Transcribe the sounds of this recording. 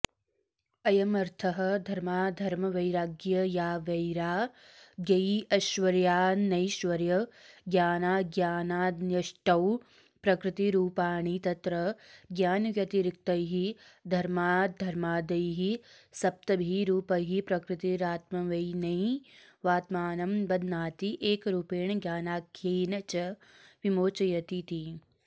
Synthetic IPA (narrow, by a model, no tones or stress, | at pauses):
ɐjɐmɐɾt̪ʰɐɦɐ̆d̪ʱɐɾmaːd̪ʱɐɾmɐʋɐjɾaːɡjɐjaːʋɐjɾaː | ɡjɐjɐʃʋɐɾjaːnɐjʃʋɐɾjɐɡjaːnaːɡjaːnaːnjɐʃʈɐw | pɾɐkɾɪt̪iɾuːpaːɳit̪ɐt̪ɾɐɡjaːnʋjɐt̪iɾik̚t̪ɐjɦid̪ʱɐɾmaːd̪ʱɐɾmaːd̪ɐjɦisɐp̚t̪ɐbʱiɾuːpɐjɦipɾɐkɾɪt̪iɾaːt̪mɐʋɐjnɐjʋaːt̪maːnɐmbɐd̪naːt̪iʔeːkɾuːpeːɳɐɡjaːnaːkʰjeːnɐt͡ʃɐ | ʋimoːt͡ʃɐjɐt̪it̪i